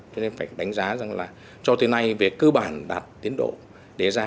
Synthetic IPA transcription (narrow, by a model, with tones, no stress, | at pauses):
t͡ɕɔ˧ne˧nfaː˧˩jɗa˨˦jŋ̟zaː˨˦za˨˩ŋlaː˨˩ | t͡ɕɔ˧t̪ɨ˨˦na˧jve˨˩kɨː˧ɓaː˧˩nɗaː˨˩t̚t̪i˨˦ənɗo̰˧˨ | ɗe˧˩zaː˧